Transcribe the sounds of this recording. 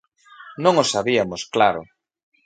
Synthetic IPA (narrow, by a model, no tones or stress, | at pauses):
nõŋosaβiamosklaɾʊ̰